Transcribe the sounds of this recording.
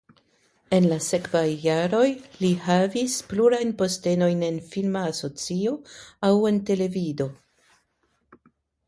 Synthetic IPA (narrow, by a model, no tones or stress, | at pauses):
e̞nlase̞kvajːaɾo̞jlihavispluɾajnpo̞ste̞no̞jne̞nfilmaːso̞t͡sio̞awe̞nte̞le̞vido̞